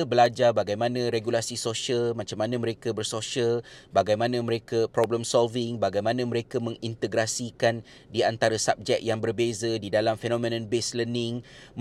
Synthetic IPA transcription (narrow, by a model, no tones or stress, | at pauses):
abəlad͡ʒarbaɡajmãnãɾeɡulasisoʃəlmãt͡ʃamːanãmə̃ɾekabərsoʃəlbaɡajmãnãmə̃ɾekapɾobləmsɔlvɪŋbaɡajmãnãmə̃ɾekamə̃ŋint̪əɡɾasikan | diant̪aɾasap̚d͡ʒɛk̚jaŋbərbezadidalamfenõmẽnə̃nbeslənɪŋm